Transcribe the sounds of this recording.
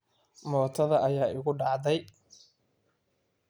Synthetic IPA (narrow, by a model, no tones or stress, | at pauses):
mɔːt̪ʰɐðɐʔɐjaːʔɪɣʊɖɑʕd̪ɛj